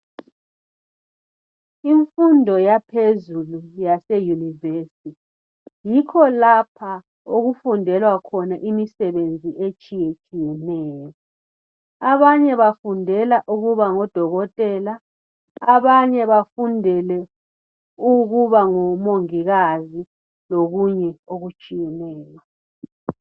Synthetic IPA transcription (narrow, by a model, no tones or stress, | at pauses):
iɱfundʱɔjapʰezulujasejunivesitʰi | jikʰɔlapʰa | oɣufundʱɛlwakʰɔnaʔimisɛβend͡zʱiʔet͡ʃʼijet͡ʃʼijɛnɛːjɔ | aβaɲɛβafundʱɛlaʔuɣuβaŋɔd̥ʱɔɣɔtʼɛːla | aβaɲɛβafundʱɛlɛ | uɣuβaŋɔmoŋiɣazi | loɣuɲɛoɣut͡ʃʼijɛnɛːjwa